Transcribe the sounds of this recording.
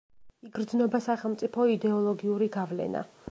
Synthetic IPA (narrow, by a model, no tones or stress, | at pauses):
iɡɾd̪znɔbasaχɛlˠmt̪sʼipʰɔid̪ɛɔlˠɔɡiuɾiɡavlɛ̰na̰